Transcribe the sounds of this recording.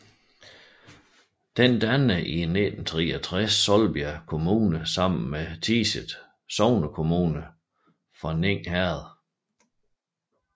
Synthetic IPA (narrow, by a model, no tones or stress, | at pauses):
d̥end̥ænəʔine̝d̥n̩t͡sʰʁiːɐt͡sʰʁasːɒ̽lb̥iækʰo̝muːnəsɑ̈m̰n̩met͡sʰiːsəd̥ | sɒʊnəkʰo̝muːnə | fʁɑ̈ne̝ŋ̰hæɐðˠ